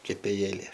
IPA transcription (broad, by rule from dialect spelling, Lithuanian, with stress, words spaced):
kʲɛpʲeːˈjeːlʲeː